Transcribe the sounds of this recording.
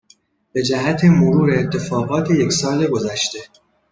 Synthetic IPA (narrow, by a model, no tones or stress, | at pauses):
b̥e̞d͡ʒæɦæt̪ʰemoɾuːɾeːt̪ʰːe̞fɒːɣɒːt̪ʰejekʲsɒːleɡo̞zæʃt̪e̞